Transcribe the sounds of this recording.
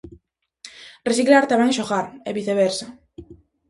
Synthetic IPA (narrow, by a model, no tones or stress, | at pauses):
resiklaɾt̪aβeŋʃoɣaɾeβiθeβ̞eɾsa